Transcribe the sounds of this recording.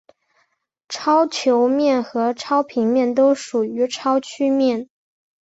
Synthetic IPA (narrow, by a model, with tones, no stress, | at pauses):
ʈ͡ʂʰɑ˥ʊt͡ɕʰjo˧˥ʊmjɛ˥˩nxɤ˧˥ʈ͡ʂʰɑ˥ʊpʰi˧˥ŋmjɛ˥˩nt̪o˥ʊʂu˨˩y˧˥ʈ͡ʂʰɑ˥ʊt͡ɕʰy˥mjɛ˥˩n